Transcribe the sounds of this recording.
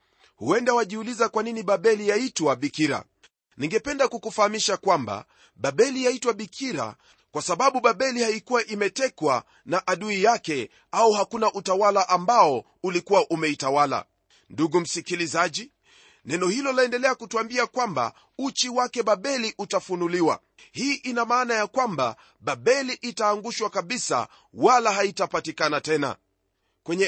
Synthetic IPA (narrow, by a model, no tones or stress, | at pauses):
huɛndawaʄiulizakwaniniɓaɓɛlijaitwaɓikiɾa̰ | niŋɡɛpɛndakukufahamiʃakwamba̰ | ɓaɓɛlijaitwaɓikʰiɾa̰ | kwasaɓaɓuɓaɓɛlihaikuwaʔimɛtɛkwa | naʔaɗuijakɛ | auhakunaʔutawalaʔambaɔ | ulikuwaʔumɛitawala̰ | nduɡum̩sikilizaʄi | nɛnɔhilɔlaɛndɛlɛakutuambiakwamba̰ | ut͡ʃiwakɛɓaɓɛliʔutafunuliwa̰ | hiːʔinamaːnajakwamba̰ | ɓaɓɛliʔitaːŋɡuʃwakaɓisa̰ | walaɦaitapatikanatɛna̰ | kwɛɲɛ